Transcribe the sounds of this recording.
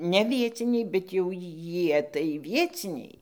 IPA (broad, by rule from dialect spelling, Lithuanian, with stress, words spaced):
nʲɛ ˈʋʲiɛt͡sʲɪnʲɛɪ bʲɛt jɛʊ ˈjiɛ tɐɪ ˈʋʲiɛt͡sʲɪnʲɛɪ